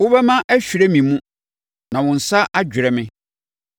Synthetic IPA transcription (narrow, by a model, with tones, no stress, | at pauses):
wʊ˦bɛ˦mã˦ʔɛ˦ɕᶣi˨ɾɛ˦mĩ˨mũ˦ | nã˨wʊ̃˨n̩˨sa˦ʔa˦d͡ʑᶣɪ˨ɾɛ˨mɪ̃˦